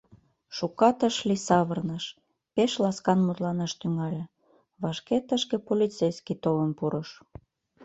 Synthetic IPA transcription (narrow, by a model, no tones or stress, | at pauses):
ʃukɑt̪əʃlisɑβərnəʃ | peʃlɑskɑnmut̪lɑnɑʃt̪yŋɑlʲe | βɑʃket̪əʃkĕpolʲit͡sejskit̪olənpuɾɤʃ